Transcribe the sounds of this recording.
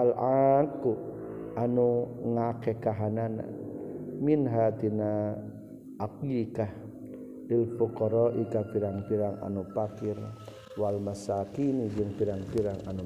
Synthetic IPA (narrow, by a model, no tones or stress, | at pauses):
alaku | anuŋakɛkaɦanana̰ | minɦat̪ina | akikah | ilfukɔɾɔʔikapiɾaŋpiɾaŋa̰nupakir | walmasakinid͡ʒɨŋpiɾaŋpiɾaŋa̰nu